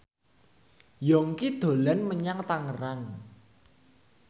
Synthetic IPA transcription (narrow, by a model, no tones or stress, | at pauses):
jɔŋkid̪̥o̤lɛnməɲaŋt̪aŋəraŋ